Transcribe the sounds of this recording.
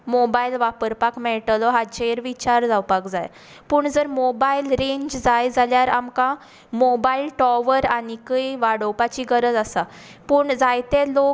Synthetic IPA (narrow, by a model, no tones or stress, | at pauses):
mobailʋapəɾpakmɛʈəlɔɦat͡ɕeɾʋit͡ɕaɾd͡zawpakd͡za̰j | puːɳd͡zəɾmobailɾẽɲd͡ʑd͡zajd͡zaljaɾamkã | mobailʈɔʋəɾanikəiʋaɽowpat͡ɕiːɡəɾəd͡zəsa | puːɳd͡zajt̪elok